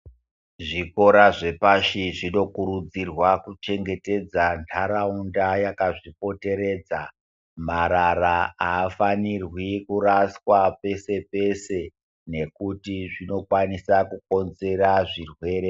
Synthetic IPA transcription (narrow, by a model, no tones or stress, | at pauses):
ʐiko̞ɾaʐe̞paʃiʐino̞kuɾud͡zirwakut͡ʃe̞ŋɡe̞te̞d͡zantʰaɾaundajakaʐipo̞te̞ɾe̞ːd͡za | maɾaɾaaːfanirwikuraswape̞se̞pe̞se | ne̞kutiʐino̞kwanisakuk̚o̞nze̞ɾaʐirwe̞ːɾe